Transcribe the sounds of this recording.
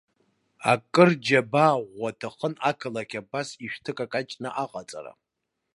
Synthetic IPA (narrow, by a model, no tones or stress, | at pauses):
a̰kʼɨrd͡ʒabaʁʷatʰɨχənakʰɨlakʲʰabasiʃᶣtʰɨkʼakʼat͡ʃʼnɨʔaqʼat͡sʼa̰ɾa̰